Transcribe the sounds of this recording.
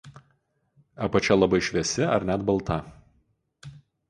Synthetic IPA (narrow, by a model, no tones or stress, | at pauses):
ɐpɐt͡ʃʲɛlˠɐbɐɪʃʲʋʲɛsʲɪɐ̰ɾnʲæd̪bɐlˠt̪ɐ